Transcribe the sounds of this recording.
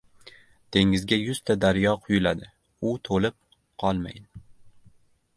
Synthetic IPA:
t̪ʰe̞ŋɪzɡʲajʊz̥t̪ʰad̪aɾjɒqʰʊjʊlad̪ɪ | ʊt̪ʰolɪp̚ | qʰɒlˠma̰jd̪ɪ

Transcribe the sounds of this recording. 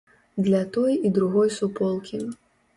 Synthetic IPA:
d̪lʲɐt̪ɔjid̪ɾuɣɔjsupɔlˠkʲi

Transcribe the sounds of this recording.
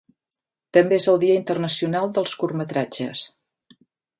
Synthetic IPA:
t̪əmbeezəlˠd̪iəint̪ərnəsiunalˠd̪əlˠskurmət̪ɾad͡ʒə̰s

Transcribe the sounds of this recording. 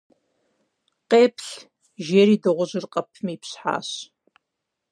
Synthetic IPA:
qeːpʰɬ | ʒeːɾiːdɐʁʷʊʑɨrqʼɐpʰmiːpsħa̰ːɕ

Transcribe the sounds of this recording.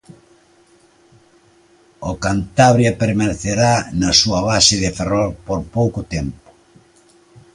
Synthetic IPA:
okant̪aβɾjapeɾmaneθeɾanɐsuɐβasɪðɪferɔɾpoɾpowkʊt̪ɛmpʊ̥

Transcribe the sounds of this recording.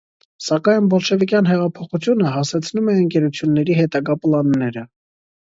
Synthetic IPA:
sɑkɑjnbɔlʃɛvikjɑnɦɛʁɑpʰɔχut͡sʰjunəɦɑsɛt͡sʰnumɛəŋkɛɾut͡sʰjunːɛɾiɦɛt̪ɑɡɑpəlɑnːɛɾə

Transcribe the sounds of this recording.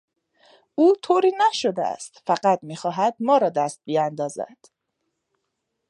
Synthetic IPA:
ʔuːt̪ʰoːɾiːnæʃod̪eæ̰st̪fæɢæt̪̚miːxɒːɦæd̪̚mɒːɾɒːd̪æst̪̚bijænd̪ɒːzæ̰d̪̥

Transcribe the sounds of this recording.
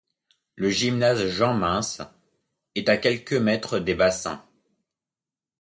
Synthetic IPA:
ləʒimnazʒɑ̃mɛ̃s | ɛt̪akʲɛlkəmɛt̪χəd̪ebasɛ̰̃

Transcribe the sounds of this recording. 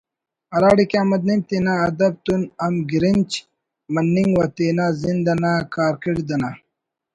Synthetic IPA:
ɐlaːɽikeamɐd̪̚nimt̪inaːd̪ɐb̚t̪unɐmɡiɾint͡ɕ | mɐnːiŋɡwat̪inazind̪ɐnakaːɾkiɽid̪ɐna

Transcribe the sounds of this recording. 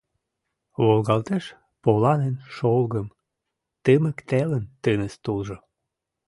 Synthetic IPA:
βolɣɑlt̪eʃ | polɑnenʃolɣəm | t̪əmə̆kt̪elənt̪ənəst̪ulʒo

